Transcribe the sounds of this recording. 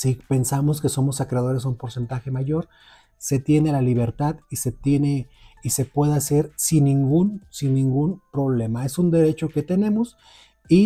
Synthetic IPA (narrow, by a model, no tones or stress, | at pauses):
sipe̞nsamoskeso̞mo̞sakɾeaðo̞ɾe̞sumpo̞ɾse̞nt̪axe̞maʝo̞ɾ | se̞t̪je̞nelaliβe̞ɾt̪aðise̞t̪jene̞ise̞pwe̞ðease̞ɾsinːĩŋɡunsinːĩŋɡunpɾo̞βle̞mae̞sund̪e̞ɾe̞t͡ʃo̞ke̞t̪e̞nẽ̞mos | i